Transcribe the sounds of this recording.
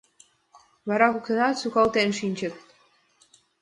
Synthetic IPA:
βɑɾɑkuk̪ɤ̆nɑt̪sukɑlt̪enʃinʲt͡ɕɘ̆t̪̚

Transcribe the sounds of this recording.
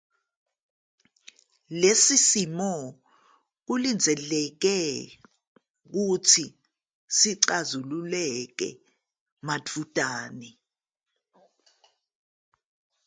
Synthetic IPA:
lesisimɔ | k̬ulind͡zʱɛlɛk̬ɛ | k̬utʰi | siǀazululɛk̬ɛ̰ | madʰʱud̥ʼʱaːnɛ

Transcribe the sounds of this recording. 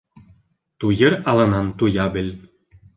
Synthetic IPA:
t̪ujɤ̆ɾɑlˠɤ̆nɑnt̪ujɑbɘ̆lʲ

